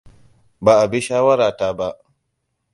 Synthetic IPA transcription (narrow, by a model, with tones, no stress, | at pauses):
baː˨ʔa˨bi˦ʃaː˦wɐ˦ɾaː˨taː˦ba˦ʔ